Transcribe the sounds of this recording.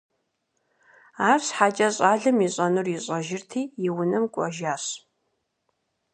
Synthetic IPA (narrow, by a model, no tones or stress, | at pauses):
aːrɕħaːt͡ʃʼɐɕʼaːɮɨmɪɕʼɐnɨrjɪɕʼɐʒɪrtʰiːjɪwʊnɨmkʷʼɔʒaːɕ